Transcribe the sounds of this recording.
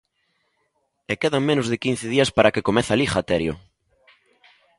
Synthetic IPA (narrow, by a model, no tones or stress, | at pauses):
ekeðaŋmẽnʊzðɪkin̟θɪð̞iɐspaɾʔakekomeθalixat̪eɾjo̰